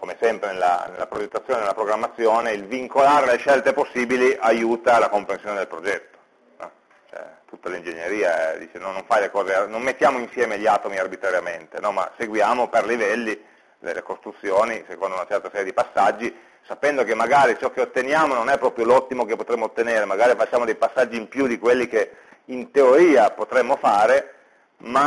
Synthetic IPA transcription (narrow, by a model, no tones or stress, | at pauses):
komesɛmpɾenelːa̰nḛlːa̰pɾod͡ʒet̪ːat̪sːjoːnenelapɾoɡɾamːat̪sːjoːneilviŋkolaːɾeleʃɛlt̪eposːiːbiliʔajuːt̪alakompɾensjoːned̪elpɾod͡ʒɛt̪ːo̥ | ɛ | t͡ʃɛ̰t̪ut̪ːalind͡ʒeɲːeɾiːaɛd̪ḭːt͡ʃenɔnːoɱfajlekɔːzeanomːet̪ːjaːmoinsjɛːmeʎːaːt̪omiarbit̪ɾaɾjament̪enɔma̰seɡwjaːmoperlivɛlːi | lḛlḛkost̪ɾut̪sːjoːnisekond̪ounat͡ʃɛrt̪asɛɾjed̪ipasːad͡ʒːi | sapɛnd̪okemːaɡaːɾit͡ʃɔkːeot̪ːenjaːmononɛpːɾɔːpɾjolɔt̪ːimokepːot̪ɾemːot̪ːeneːɾemaɡaːɾifat͡ʃːaːmod̪ejpasːad͡ʒːimpjud̪ikwelːike | int̪eoɾiːapot̪ɾemːofaːɾe | ma